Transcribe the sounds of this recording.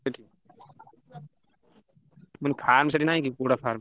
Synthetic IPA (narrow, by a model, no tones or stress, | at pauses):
eʈʰi | mənipʰaːɾms̬eʈinaːɦĩkipuːɽapʰaːɾm